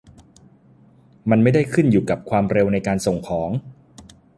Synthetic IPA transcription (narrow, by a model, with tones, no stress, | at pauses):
ma˧nma˥˩jda˥˩jkʰɯ˥˩njuː˨˩ka˨˩p̚kʰwaː˧mɾe˧wna˧jkaː˧nso˨˩ŋkʰɔː˩˦ŋ